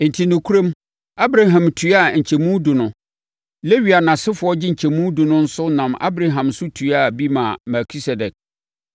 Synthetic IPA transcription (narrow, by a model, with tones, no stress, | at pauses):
n̩˨tʰi˨nʊ̃˨kʰu˦ɾõ˦m | a˦bɾa˨ɦã˨mtʰu˨˦a˦˨ɲ̩˨t͡ɕʰɛ˨mũ˦du˨nʊ̃˨ | le˦ɥi˨a˨nã˨sɪ˦fʊ˨ɔ˦d͡ʑɪ˦ɲ̩˨t͡ɕʰɛ˨mũ˦du˨nʊ̃˦n̩˦sʊ˦nã˨ma̰˦bɾa˨ɦã˨msʊ˦tʰu˨˦a˦˨bi˦mã˨mɛ˨kʰi˦sɛ˨dɛ˨k̚